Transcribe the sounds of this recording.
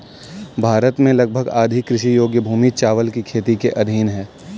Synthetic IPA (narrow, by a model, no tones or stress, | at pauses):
bʱaːɾət̪mẽlɐɡ̚bʱəɡaːd̪ʱɪkːɾɪʃijoːɡjəbʱuːmit͡ʃaːʋəlkikʰeːt̪ikeʔɐd̪ʱiːnɦɛː